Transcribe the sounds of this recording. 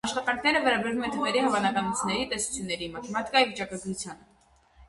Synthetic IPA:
ɑʃχɑt̪ɑŋkʰnɛɾəvɛɾɑbɛɾvumɛnt̪ʰəʁɛɾihɑvɑnɑkɑnut͡sʰnɛɾit̪ɛsu̥t͡sʰjunːɛɾimət͡ʃmɑt̪kɑjivit͡ʃɑkɑɡɾut͡sʰjɑnə

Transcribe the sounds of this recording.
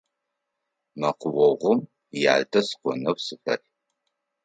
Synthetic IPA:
mɐqʷʊwɔʁʷʊm | ja̰ːdɐsqʷɔ̰nɐwsɨfɐ̰r

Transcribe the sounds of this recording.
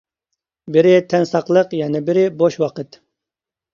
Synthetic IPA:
bɪɾɪt̪ʰɛnsɑqlˠəqjɛnɪbɪɾɪboʃwɑqət̪

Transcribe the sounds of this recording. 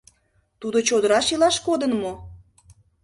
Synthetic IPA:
t̪ud̪ot͡ɕod̪əɾɑʃilɑʃkod̪ənmo

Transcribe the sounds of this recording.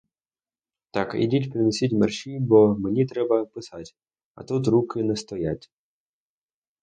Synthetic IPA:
t̪ɑkḭdʲitʲpɾɪnɔsʲitʲmɛrʃʲibɔmenʲit̪ɾɛbɐpɪsatʲ | ɐ̰t̪ut̪̬ɾukɪnɛst̪ɔjatʲ

